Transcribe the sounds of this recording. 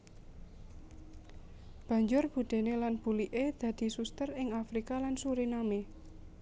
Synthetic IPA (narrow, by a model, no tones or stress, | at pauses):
b̥ä̤ɲd͡ʒʊrb̥ṳd̪̥e̤nelanb̥ṳliʔed̪̥ä̤d̪̥i̤sust̪ərɪŋafɾikalansuɾiname